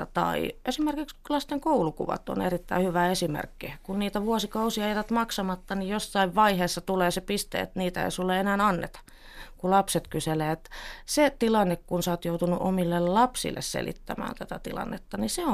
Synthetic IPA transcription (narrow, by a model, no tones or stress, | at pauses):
ɑt̪ɑ̰ḭʔesimerkikslɑst̪eŋkoulukṵʋɑ̰t̪o̰nerit̪ːæihyʋæesimḛrkːikunniːt̪æʋuosikɑusiɑejt̪æt̪mɑksɑmɑt̪ːɑnijosːɑiʋʋɑiheːsːɑt̪uleːsepist̪ḛːḛt̪niːt̪æḛisulːeenæːnɑnːet̪ɑ̥ | kulɑpset̪kyseleːet̪set̪ilɑnːekkunsɑːt̪jout̪unuʔo̰milːellɑpsḭlːḛssḛlḭt̪ːæ̰mæ̰ːnt̪æt̪æt̪ḭlɑ̰nːet̪ːɑniseo